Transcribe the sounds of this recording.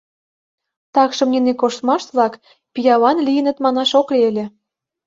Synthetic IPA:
t̪ɑkʃɤ̆mnʲinekoʃt̪mɑʃt̪βlɑk | pijɑβɑnlijə̆nə̆t̪mɑnɑʃokleĕlʲĕ

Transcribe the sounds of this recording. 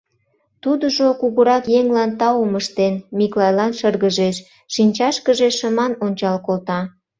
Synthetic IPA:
t̪ud̪əʒokuɣəɾɑkjeŋlɑnt̪ɑuməʃt̪enmiklɑjlɑnʃərɣəʒeʃ | ʃinʲt͡ɕɑʃkəʒeʃəmɑnonʲt͡ɕɑlkolt̪ɑ

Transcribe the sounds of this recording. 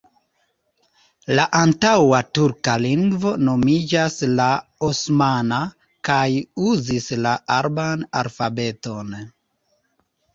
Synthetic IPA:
laʔantawatuɾkaliŋɡvo̞no̞mid͡ʒaslaosmana | kajuzislaʔaɾbana̰lfabe̞to̞n

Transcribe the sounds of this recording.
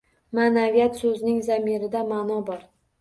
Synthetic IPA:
manavijat̪sɵznɪŋzamiɾɪd̪amanɒbɒɾ

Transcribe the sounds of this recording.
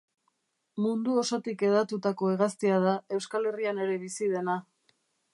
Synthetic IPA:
mund̪uo̞so̞t̪ike̞ðat̪ut̪ako̞eɣast̪iað̞ae̞wskale̞riane̞ɾe̞βisið̞e̞na

